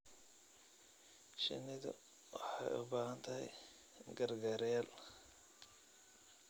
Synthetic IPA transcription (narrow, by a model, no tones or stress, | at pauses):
ʃɪ̰nɪðɐ̰ | wɑħɑjʊ̰baːhɐnt̪ʰɐɦɛ̰j | ɡɐrɡaːɾjaːl